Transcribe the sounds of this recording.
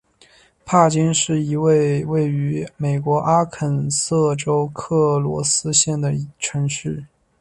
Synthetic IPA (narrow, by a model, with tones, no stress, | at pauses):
pʰa˥˩t͡ɕi˥nʂɻ̩˥˩i˧˥we˥˧ɪwe˥˩ɪy˧˥me˨˩ɪkwɔ˧˥ʔa˥kʰə˨˩nsɤ˥˩ʈ͡ʂo˥ʊkʰɤ˥˩lwɔ̰˧˥sɹ̩˥ɕjɛ˥˩nd̪ə˩˧˥ʈ͡ʂʰɤ˧˥ŋɕy˥˩